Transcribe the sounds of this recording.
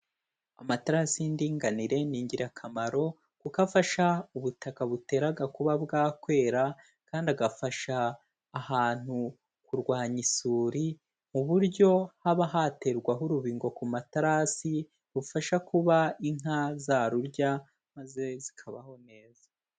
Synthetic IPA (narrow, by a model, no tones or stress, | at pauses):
a̰mataɾasindiːŋɡaniɾe̞niːɲɟiɾakʰamaɾo̞ | kukafaʃauβutakaβute̞ːɾaɡakuβabɡaːkwe̞ːɾa | kaːndiaɡafaʃaː | haːn̥hu | kuɾɡwaːɲisuːɾi | muβuɾɟo̞haβaɦate̞ɾɡwaɦuɾuβiːŋɡo̞kumataɾasi | ɾufaʃakuβaiŋazaɾuɾɟa | maze̞zikʰaβa̰ho̞ne̞ːzḁ